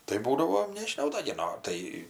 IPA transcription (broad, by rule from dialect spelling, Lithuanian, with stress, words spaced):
tɐɪ ˈbuːdɐʋoː nʲɛʒʲɪˈnɐʊ dɐ ɡʲɪ ˈnoː tɐɪ